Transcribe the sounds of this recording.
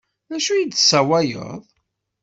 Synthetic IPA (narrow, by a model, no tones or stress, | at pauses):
ðæʃujid̪sæwæjə̰ðˤ